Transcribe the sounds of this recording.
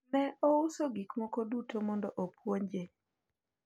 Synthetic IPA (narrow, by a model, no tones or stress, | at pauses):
nɛousoɡikmɔkodutʰomɔndɔʔopʰwoɲd͡ʒe